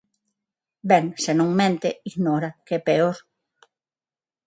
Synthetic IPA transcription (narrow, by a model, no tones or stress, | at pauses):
bɛŋsenõŋmẽnt̪eiɣnoɾakɛpeoɾ